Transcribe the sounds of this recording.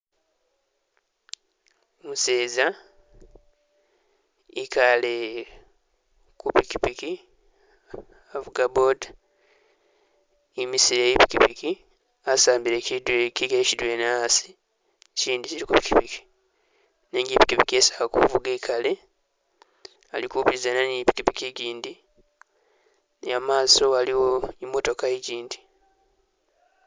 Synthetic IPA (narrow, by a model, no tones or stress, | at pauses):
museːza | ikale | kupikipiki | avuɡabod | imisiɾejipi̥kipiki | asaːmbiɾecidweciɡecidwenasi̥ | ciːndiciɾikupi̥kipiki̥ | neɲɟipi̥kipikiesakakṵvuɡekʰale̞ | a̰likuːpizananipi̥kipikiɟiːndi | namaːso̞aliwo̞imːo̞to̞kaiɟiːndi